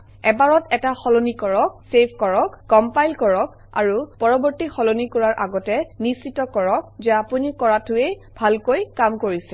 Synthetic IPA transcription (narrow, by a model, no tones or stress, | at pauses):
ɛbaɹɔtɛtaxɔlonikɔɹɔk̚sebʱkɔɹɔkːɔmpajlkɔɹɔk | a̰ɹupɔɹɔbɔɹtixɔlonikɔɹaɹʔaɡɔtɛnisitɔkɔɹɔk̚zɛapunikɔɹatʊej | b̥ʱalkojkamkoɹisɛ